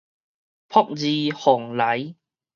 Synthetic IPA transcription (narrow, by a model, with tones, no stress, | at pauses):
pʰɔ˥k̚t͡siː˧hɔː˨˩ŋlɐ˨˥j